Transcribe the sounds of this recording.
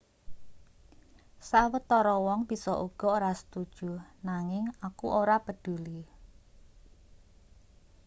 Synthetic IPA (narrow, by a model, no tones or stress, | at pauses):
sawət̪ːɔɾɔwɔŋb̥isɔʔuɡ̥ɔ̤oɾasə̥t̪ud̥ʒ̥ṳnaŋɪŋakuʔoɾapəd̪̥ṳli